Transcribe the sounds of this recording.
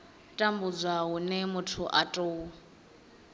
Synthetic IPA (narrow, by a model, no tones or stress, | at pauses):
tʼambud͡zʷaɦunɛmʊtʰuʔatʼoːu